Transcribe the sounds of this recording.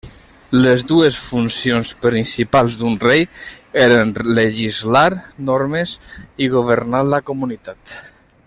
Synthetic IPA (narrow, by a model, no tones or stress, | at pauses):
lezd̪uesfunsionspɾinsipalˠzd̪unrej | eɾenleʒizlaɾnɔɾmeziɣoβ̞əɾnaɾlakomunit̪at̪